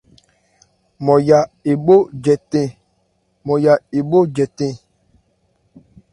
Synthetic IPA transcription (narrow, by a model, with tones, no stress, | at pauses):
mɔ̃˨ja˨e˨bo˦d͡ʒɛ˨tɛ̃˦ | mɔ̃˨ja˨e˨bo˦d͡ʒɛ˨tɛ̃˦